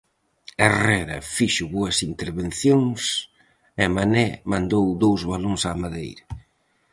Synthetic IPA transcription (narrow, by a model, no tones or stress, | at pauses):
erɛɾɐ̰fiʃʊβoɐsint̪eɾβenθjoŋs | ɛmanɛmãnd̪owd̪owzβaloŋsaːmaðḛjɾɐ